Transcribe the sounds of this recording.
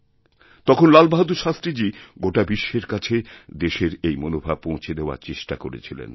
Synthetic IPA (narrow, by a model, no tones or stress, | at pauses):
t̪ɔkʰonlalbaɦad̪uʃast̪ɾid͡ʑiɡoʈabiʃːeɾkat͡ɕʰed̪eʃeɾejmonobʱab̚põw̃t͡ɕʰed̪eoa̰ɾt͡ɕeʃʈakoɾet͡ɕʰilḛn